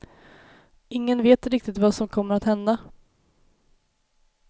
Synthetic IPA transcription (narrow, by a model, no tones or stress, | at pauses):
ɪŋːənveːt̪ɾɪk̚t̪ɪt̪vasɔmkʰɔmːəɾat̪hɛnd̪a